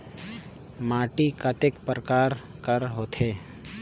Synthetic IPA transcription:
maːʈikət̪ekpɾəkaːɾ | kəɾɦoːt̪ʰeː

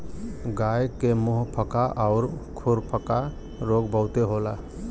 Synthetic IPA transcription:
ɡajkemuɦpʰəkaʔɔʊɾkʰuɾpʰəka | ɾoɡbəʊt̪eɦola

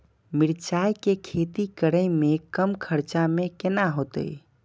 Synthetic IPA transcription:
miɾt͡ʃajkekʰet̪ikəɽəjmekəmkʰəɾt͡ʃamekenaɦot̪ə̰j

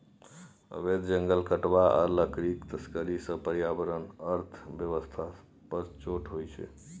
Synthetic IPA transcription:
ə̰βed̪d͡ʒəŋɡəlkəʈbaʔə̰ləkɾikt̪əskəɾisə̃pəɾijabəɾənəɾt̪ʰbjəʋəst̪ʰa | pəɾt͡ʃoʈɦojt͡ʃʰɛ̰

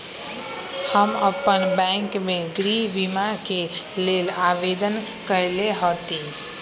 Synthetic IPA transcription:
həməpənbɛ̃ŋkmeɡɾibimakelelabed̪ən | kəjleɦot̪i

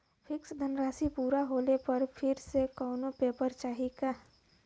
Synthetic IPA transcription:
fʰɪksd̪ʱənɾaːsipuːɾaɦoːlepɐɾpʰɪɾsekɔːnopeːpəɾt͡ʃaːɦika

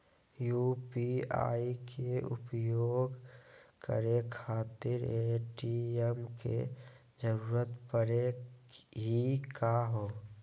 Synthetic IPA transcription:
juːpia̰ːikʰeʊ̰pjoːɡkə̰ɾekʰaːt̪ɪɾeʈiɛmkḛ | d͡ʒəɾuːɾət̪pəɾe | ɦikaɦoː

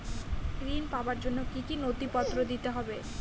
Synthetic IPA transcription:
kɾinpaobaɾd͡ʑonːokikinod̪ipɔt̪ːɾod̪it̪eɦɔbe

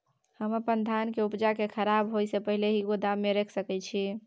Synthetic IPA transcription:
həməpənd̪ʱankeupd͡ʒakekʰəɾabɦojsepəɦileɦiod̪amːeɾɛkʰsəkɛt͡ʃʰi

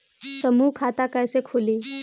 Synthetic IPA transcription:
səmukʰat̪akajsekʰoliː

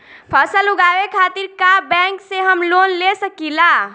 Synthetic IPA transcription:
pʰəsəluɡaʋekʰat̪iɾkabɛ̃ŋkseɦəmlonlesəkila

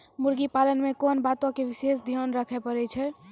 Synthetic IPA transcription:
muɾɡipalənmekonbat̪õkeʋisesd̪ʱijonɾəkʰɛpəɾɛt͡ʃʰɛ

